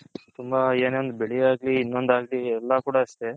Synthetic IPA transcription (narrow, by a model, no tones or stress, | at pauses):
t̪umbaeːneʋond̪beɭiaːɡliːnːond̪aːɡliɛlːɐkuːɽaɐst̪e